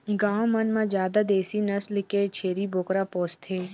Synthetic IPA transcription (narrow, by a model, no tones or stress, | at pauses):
ɡãːwmɐnmãd͡ʒjaːd̪ad̪eːsinɐslket͡ʃʰeːɾibokɾapɔːst̪ʰeː